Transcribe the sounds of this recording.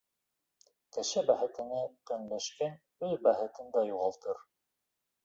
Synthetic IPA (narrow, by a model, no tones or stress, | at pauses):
kɘ̆ʃɘbæχɘ̆t̪ɘ̆næt̪æ̆nlæʃkæn | ɵlbæχɘ̆t̪ɘ̆nd̪æjuʁɑlˠt̪ɤɾ